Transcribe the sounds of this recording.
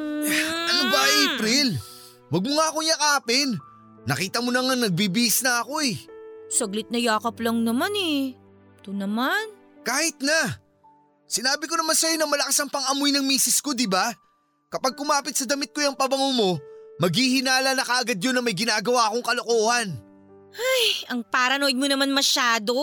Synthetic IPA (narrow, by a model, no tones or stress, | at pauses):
ʔɐnobɐʔɐʔɛpɾɪl | wɐɡ̚moŋaːkoɲakɐʔaːpɪnː | ɐkiːt̪ɐmonɐŋɐŋnɐɡ̚biːbiɪsnɐɐko̞ɛsɐɡlɪt̪̚nɐjaːkɐplɐŋnɐmanɛ | t̪ʊnɐman | kaːhɪt̪̚nɐ | sɪnaːbɪko̞nɐmansɐjo̞nɐmɐlɐkasɐŋpɐŋʔɐmojnɐŋmiːsɪsko̞d̪ɪba | kɐpaɡ̚kʊmaːpɪt̪̚sɐd̪ɐmɪt̪̚kojɐŋpɐbɐŋomo̞mɐɡhiːhɪnaːlɐnɐkɐʔɐɡad̪jo̞nːɐmɐjɡɪnaːɡɐwaːko̞ŋkɐlo̞koːhɐn | ajɐŋpaɾɐnod̪̚monɐmanmɐʃaːd̪o̞